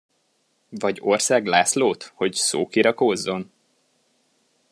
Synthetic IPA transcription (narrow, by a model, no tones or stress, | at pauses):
vɒɟo̞rsaːɡlaːsloːt̪ho̞cso̰ːkiɾɒkozːo̞n